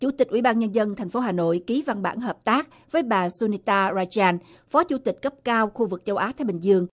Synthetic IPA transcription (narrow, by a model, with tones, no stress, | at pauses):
t͡ɕṵ˧˩t̪ï˨˩k̟ʔwi˧˩˦ɓaː˧nɲə˧nzə˧nt̪ʰjŋ̟fo˨˦ɦaː˨˩no̰˧˨jki˨˦va˧nɓa̰ː˧˩˨nɦəː˨˩p̚t̪aː˦˥k̚ | vəː˨˦jɓaː˨˩su˧ni˧t̪aː˧zaː˧jt͡ɕaː˧n | fɔ˨˦t͡ɕṵ˧˩t̪ï˨˩k̟̚kə˦˥p̚kaː˧wxu˧vɨ˨˩k̚t͡ɕə˧wʔaː˨˦t̪aː˨˧˦jɓï˨˩ŋ̟zɨ˧əŋ